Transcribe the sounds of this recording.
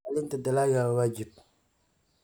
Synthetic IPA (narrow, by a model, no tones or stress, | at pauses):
alɪntadalajawad͡ʒib̚